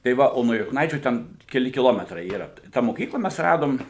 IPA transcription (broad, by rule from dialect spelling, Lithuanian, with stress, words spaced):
tɐɪ ˈʋɐ ˈoː nuɔ jʊkˈnɐɪt͡ʃʲuː ˈtʲɛn kʲɛˈlʲɪ kʲɪˈlˠoːmʲɛtrɐɪ ˈiːrɐ tɑː moːˈkʲiːklˠɐ ˈmʲɛs ˈrɑːdoːm